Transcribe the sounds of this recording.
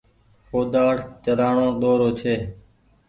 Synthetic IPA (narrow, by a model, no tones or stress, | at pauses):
foːd̪aːɽt͡ʃəɾaːɳõːɗ̪oːɾoːt͡ʃʰeː